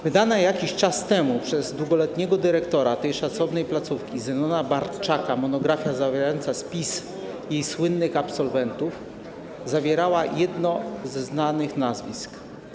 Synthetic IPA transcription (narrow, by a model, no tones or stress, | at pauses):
vɘd̪anajakʲiɕt͡ʂast̪ɛmupʂɛzd̪wuɡɔlɛt̪ɲɛɡɔd̪ɘɾɛkt̪ɔɾat̪ɛjʂat̪sɔvnɛjplat̪sufkʲizɛmɔnabaɾt͡ʂakamɔnɔɡɾafʲjazavʲɛɾajɔnt̪saspʲis | jejswɘnːɘxapsɔlvɛnt̪uf | zavʲjɛɾawajɛd̪nɔzːnanɘxnazvʲḭsk